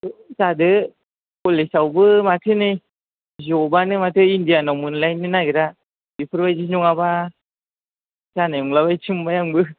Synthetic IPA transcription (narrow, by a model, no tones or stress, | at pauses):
sadɯ | kolesawbɯmat̪ʰɯnɯj | zobanɯmat̪ʰɯindianawmɯnlajnːɯnajɡɯɾa | bipʰɯɾbajziɲuŋaba | sanajuŋlabajt͡ʃʰɯmbajaŋbɯ